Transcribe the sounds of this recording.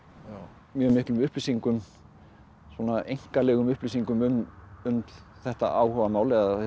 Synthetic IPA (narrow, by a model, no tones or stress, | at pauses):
mjœːmɪhklʏmʏhplisiŋkʏm | sɔːnaʔejŋ̥kalɛːɣʏmʏhplisiŋkʏmʏnʏnt̪l | θɛht̪a̰ʔaːwhœvamaːwlɛɣa